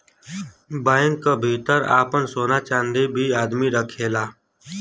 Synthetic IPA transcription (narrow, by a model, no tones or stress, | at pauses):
baːɪ̃ŋkːabʱiːt̪əɾa̰ːpənsoːnat͡ʃãːnd̪ebʱiaːd̪miɾəkʰeːlaː